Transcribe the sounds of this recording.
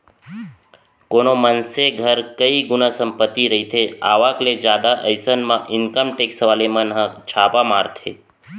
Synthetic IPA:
konomənseɡʱəɾkəiɡʊnəsəmpət̪ːiɾəɦit̪ʰea̰ʋakled͡ʒjad̪aʔəjsənmãʔɪŋkəmʈeksʋalemənɦə̃t͡ʃʰapamaɾt̪ʰḛ

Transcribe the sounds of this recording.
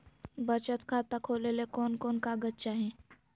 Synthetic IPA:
bət͡ʃət̪kʰaːt̪akʰoːlelekoːnkɔːnkaɡətːt͡ʃaɦɛ̃

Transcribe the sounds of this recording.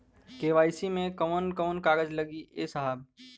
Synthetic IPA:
keːʋaːisimẽkəmənkəmənkaːɾəd͡ʒlɐɡiʔesɐɦəb̚

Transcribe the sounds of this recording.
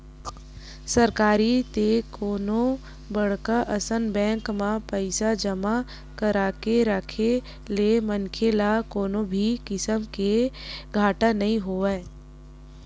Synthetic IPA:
səɾkaːɾit̪ekoːnõ | bɐɽ̤kaʔɐsənbɛ̃ːŋkmãpəɪsad͡ʒəma | kəɾakeɾəkʰe | lemənkʰelakoːnõbʱikɪsəmkeɡʱaːʈanɐɦĩɦoːeː

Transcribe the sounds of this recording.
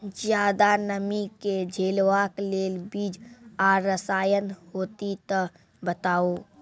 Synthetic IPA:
zjaːd̪anəmiked͡ʒʱeːlwaːkleːlbiːd͡ʒaːəsaːjənhoːt̪it̪ə | bət̪aːoː

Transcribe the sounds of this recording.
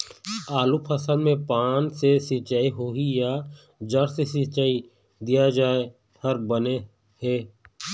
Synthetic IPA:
aːlupʰəsəlmẽpaːnsesɪt͡ʃaːiɦoːija | d͡ʒəɾsesɪt͡ʃaːi | d̪ijad͡ʒaːe | həɾbəne | ɦeː

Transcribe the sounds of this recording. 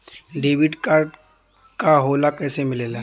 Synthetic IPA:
ɖeːʋɪɖkaːɾɖ | kaɦoːlakɛːsemɪleːla

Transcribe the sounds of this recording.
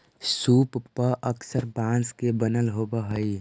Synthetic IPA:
suːppəʔəksəɾbãnskebənəlɦobəɦəi

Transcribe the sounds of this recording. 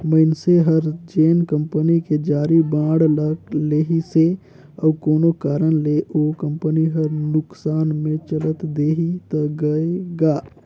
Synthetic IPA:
məɪnseɦəɾd͡ʒeːnkə̃mpəniked͡ʒaːɾibãːɽləleːɦise | əːkoːnokaːɾənleʔokə̃mpəniɦəɾnʊksaːnmẽt͡ʃələt̪d̪eːɦit̪əɡəeɡaː

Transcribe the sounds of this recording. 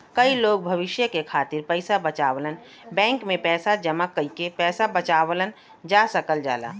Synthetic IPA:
kɐiloːɡ̚bʱɐʋɪʃjəkekʰaːt̪ɪɾpəɪsabɐt͡ʃaːwlən | bɛ̃ːŋkmẽpɛːsad͡ʒəmakɐikepɛːsabɐt͡ʃaːwlən | d͡ʒaːsɐkəld͡ʒa̰ːla̰ː

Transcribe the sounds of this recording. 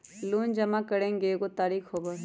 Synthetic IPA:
luːnd͡ʒɐmakəɽẽŋɡekot̪aːɾiːkhoːba

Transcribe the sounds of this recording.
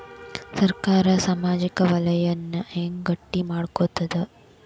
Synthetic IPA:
sɐɾkaːɾɐsaːmaːd͡ʒikɐʋɐlɐjɐnːɐʔeːŋɡɐʈːimaːɽkot̪ːɐd̪e

